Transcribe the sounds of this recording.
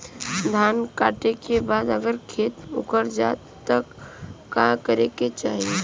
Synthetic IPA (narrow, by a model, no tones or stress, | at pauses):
d̪ʱaːnkaːʈekebaːd̪əɡəɾkʰeːt̪ʊ̰kəɾd͡ʒa̰ːt̪ː | əkːakəɾeket͡ʃaːɦie